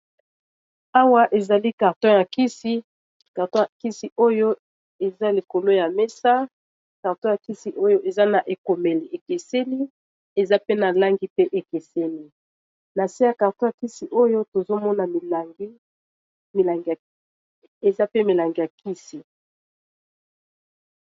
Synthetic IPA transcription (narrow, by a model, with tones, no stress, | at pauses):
a˦wa˦ʔe˨za˨li˦ka˨ʁtɔ̃˦ja˨ki˦si˦ | ka˨ʁtɔ̃˦ja˨ki˦si˨ʔo˦jo˦ | e˨za˦li˨ko˨lo˦ja˨mɛ˦sa˦ | ka˨ʁtɔ̃˦ja˨ki˦si˨ʔo˦jo˦ʔe˨za˦na˨ʔe˨ko˨me˨li˨e˨ke˨se˦li˦ | e˨za˦pe˦na˨la˦ŋɡi˦pe˦ʔe˨ke˨se˦li˦ | na˨si˦ja˨ka˨ʁtɔ̃˦ja˨ki˦si˨ʔo˦jo˦to˨zo˦mɔ˦na˨mi˨la˨ŋɡi˦ | mi˨la˨ŋɡa˨ | e˨za˦pe˦mi˨la˨ŋɡi˨ja˨ki˦si˨